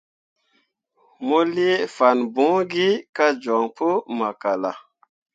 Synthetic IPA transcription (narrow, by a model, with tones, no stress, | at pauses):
mo˦li˦fa˨nbũ˨˦ŋɡi˦ka˦d͡ʒo˨ŋpo˦ma˨ka˨la̰˨